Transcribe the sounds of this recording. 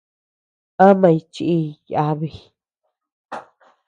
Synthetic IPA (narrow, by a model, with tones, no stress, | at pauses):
ã˦mã˧jt͡ʃi˧ʔi˧ja˧˦βi˧